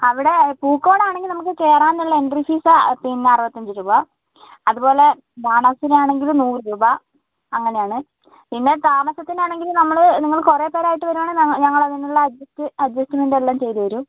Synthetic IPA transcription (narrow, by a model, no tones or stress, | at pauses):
ɐʋiɽe̞puːkːo̞ːɽaːɳeŋɡilnɐmukːɨkeːraːnuɭːɐenɖrifiːsapinːarɨʋɐt̪ːɐɲd͡ʑiɾuːbɐ | ɐðupo̞ːle̞ | bʱaːɳɐsinejaːɳe̞ŋɡilnuːrɨɾuːbɐ | ɐŋːɐne̞jaːɳɨ | pinːe̞t̪aːmɐɕɐt̪ːinaːɳe̞ŋɡilnɐmːɐɭniŋːɐɭkore̞ːpe̞ːɾaːjiʈːɨʋɐɾumaːɳɨɲɐŋːɐɭɐðinuɭːɐɐdɐstɨɐdɐstiminɖelːaːmt͡ɕe̞jt̪uʋɐɾu